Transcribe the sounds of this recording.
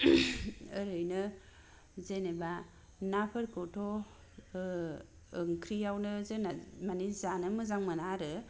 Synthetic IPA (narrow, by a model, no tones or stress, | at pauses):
ɯɾɯjnɯ | zeneba | napʰɯɾkɯtʰɔ | ɯŋkʰɾijawnɯzɯnamanizanɯmɯzaŋmɯnaɾɯ